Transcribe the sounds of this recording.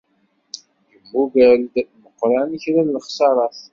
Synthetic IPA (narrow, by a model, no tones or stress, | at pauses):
jəmːuvæld̪məqːɾˤænəçɾællχsɑɾˤɑθ